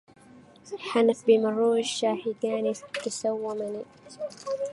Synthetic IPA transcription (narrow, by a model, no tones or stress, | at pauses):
ħanafbimɑruːɪʃːaːħiɡaːnikasawːamani